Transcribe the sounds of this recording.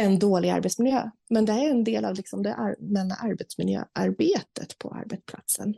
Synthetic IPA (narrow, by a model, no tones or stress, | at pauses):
ɛnd̪oːlɪɡa̰ɾbɛt̪smɪljøː | mɛnd̪ɛæɾɛnd̪eːlavlɪksɔmd̪ɛʔamɛnːa̰ʔaɾbɛt̪smɪljø̰ːʔaɾbeːt̪ət̪pʰɔ̰a̰ɾbɛt̪spʰlat̪sən